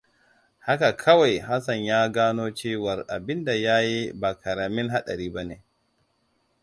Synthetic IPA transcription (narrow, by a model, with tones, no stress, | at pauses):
ha˦ka˨kʰɐ˦wa˨jha˦sɐ˨ɲjaː˦ɡaː˦noː˦t͡ʃeː˦wɐ˨rʔa˨bɪ˦nda˨jaː˦ji˦baː˨kʰɐ˨ɾaː˨mɪ˦nɦa˦ɗa̰˨ɾiː˦ba˦ne˨